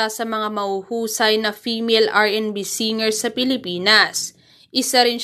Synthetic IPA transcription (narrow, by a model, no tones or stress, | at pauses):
asɐmɐŋamɐhuhuːsɐjnɐfiːmɛlʔaɹʔɛnbisiːŋɛɹsːɐpɪlɪpiːnɐs | ʔɪsaɾɪn